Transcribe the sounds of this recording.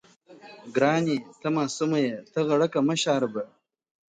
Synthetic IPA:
ɡɾaːnit̪ʰɐmaːsumɐjet̪ɐɣɐɽɐkɐmɐɕaːɾɐbɐ

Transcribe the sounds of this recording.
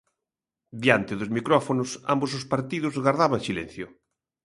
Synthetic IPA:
d̪jant̪ɪðʊzmikɾɔfonʊsa̰mbosʊspaɾt̪iðʊzɣaɾðaβaŋsilɛ̰n̟θjʊ

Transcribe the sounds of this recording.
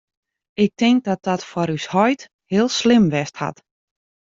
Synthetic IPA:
ɪk̚tʰɪŋk̚dɔt̚dɔtfɔɾyshɔjt | hɪəlˠslɪmʋɛstha̰t

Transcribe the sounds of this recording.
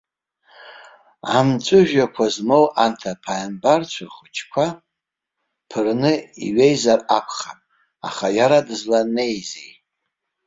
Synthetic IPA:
amt͡ʃʷʼɨʒᶣakʷʰazmo̞wantʰapʰambart͡ʃʷʰarχʊt͡ʃʰkʷʰa | pʰɨrnɨḭɥejzarapʷʰχamʼ | a̰χajaɾadɨzlane̞jzi

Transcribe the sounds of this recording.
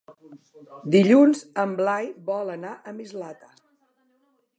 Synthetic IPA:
d̪iʎunzəmblajbɔlˠənaʔəmizlat̪ə

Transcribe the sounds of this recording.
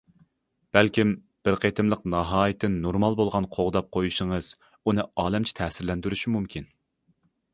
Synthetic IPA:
b̥ælkʲim | b̥ɪɾqʰet̪ʰɪmlˠəqnɑɦɑːjɪt̪ʰːɪnːoɾmɑlˠbolˠʁɑnqʰoʁd̪ɑp̚qʰojuʃəŋəz̥ | unɨɑːlɛmt͡ʃʰi̥t̪ʰɛːsɪɾlɛnd̪yɾyʃimumkʲʰin

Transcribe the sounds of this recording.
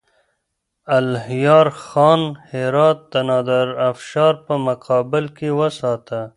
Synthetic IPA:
ɐlhjɑːɾxɑːnheɾɑːt̪̚ːɐnɑːd̪aɾɐfʃɑːɾpəmɐqɑːbɪlkewɐsɑːt̪a

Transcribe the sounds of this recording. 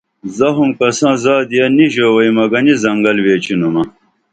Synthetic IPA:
zɐɦumkɐsãːzaːd̪ijɐniʑowɐjmɐɡɐnizɐŋɡɐlʋeːt͡ɕinumɐ

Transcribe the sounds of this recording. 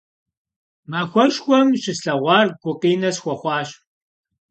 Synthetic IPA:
maːxʷɔʃxʷɔmɕɪsɬɐʁʷɑːrɡ̥ʷʊqiːnɐsxʷɐχʷɑːɕ

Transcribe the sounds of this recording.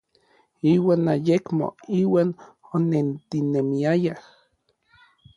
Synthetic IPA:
iːwaːnajekmo̰iːwaːnonent̪inemiajah

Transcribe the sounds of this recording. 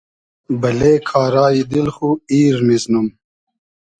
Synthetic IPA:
bɐleːkʰaːɾaːid̪ilxuiːɾmiznum

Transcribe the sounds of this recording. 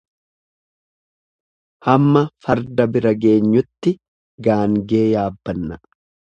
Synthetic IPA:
hɐmːɐfɐɾd̪ɐbɪɾɐɡe̞ːɲːʊt̪ːɪ | ɡaːŋɡe̞ːjaːbːɐnːɐ

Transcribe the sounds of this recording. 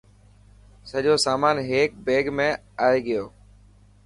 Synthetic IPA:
səʄoːsaːmaːnɦeːk̚beːɡmẽː | aːeːɠɪjoː

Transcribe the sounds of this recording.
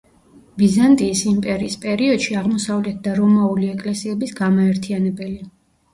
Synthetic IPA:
bizant̪ʼiːsimpʼɛɾiːspʼɛɾiɔd̪̥ʃiaʁmɔsavlɛt̪̚ʰd̪aɾɔmauliɛkʼlɛsiɛbisɡamaɛɾt̪ʰianɛbɛli

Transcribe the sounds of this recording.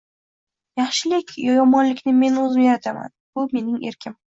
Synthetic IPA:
jɑχʃɪlɪkʲʰjjɒmɒnlɪkʲnɪme̞nɵzmeɾat̪ʰama̰nb̥ʊme̞nɪŋe̞ɾkʲʰɪm

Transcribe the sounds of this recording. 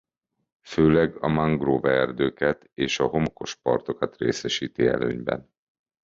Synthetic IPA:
føːlɛɡɒmaŋɡrovɛrd̪øːkɛt̪eːʃɒɦo̞moko̞ʃpɒ̰rt̪o̞kɒt̪rḛːsɛʃiːt̪iɛ̰løːɲbɛ̰n

